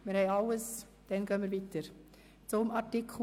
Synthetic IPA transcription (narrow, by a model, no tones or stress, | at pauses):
mɪɾhɛɪaləs | d̥ɛnɡœnmiːɾviːtəɾ | t͡sʊmɑɾtikʰ